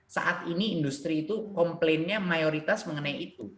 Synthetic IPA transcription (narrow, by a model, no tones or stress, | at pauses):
sa̰ʔat̪iniːnd̪ust̪ɾiːt̪ukɔmplenɲamajoɾit̪asməŋənajit̪u